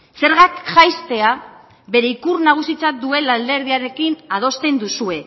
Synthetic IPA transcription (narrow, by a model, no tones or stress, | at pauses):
se̞ɾɣakʝajst̪e̞a | βe̞ɾe̞ikurnaɣ̞usit͡sat̪̚d̪ue̞lald̪e̞ɾð̞iaɾe̞kinað̞o̞st̪e̞nd̪usue̞